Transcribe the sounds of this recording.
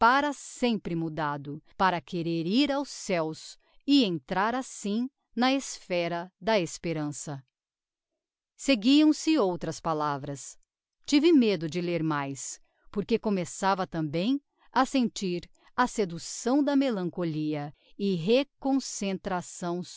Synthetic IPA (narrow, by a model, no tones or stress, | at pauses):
paɾɐsẽmpɾɪmud̪ad̪ʊpaɾɐkeɾeɾiɾawsɛws | ɪẽnt̪ɾaɾasĩ | nɐesfɛɾɐd̪ɐespeɾɐ̃sɐ | seɡiɐ̃w̃sɪowt̪ɾɐspalavɾɐs | t͡ʃivɪmed̪ʊd͡ʒɪleɾmajs | poɾkekõmesavɐt̪ɐ̃mbẽj̃ | ɐsẽnt͡ʃiɾ | ɐsed̪usɐ̃w̃d̪ɐmelɐ̃ŋkoliɐɪɦekõsẽnt̪ɾasɐ̃w̃